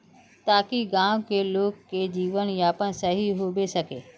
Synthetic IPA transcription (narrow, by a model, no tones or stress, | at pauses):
t̪aːkiɡãːʋkʰeːloːkkeːd͡ʑiːʋənjapənsɐɦiɦoːbesɐkeː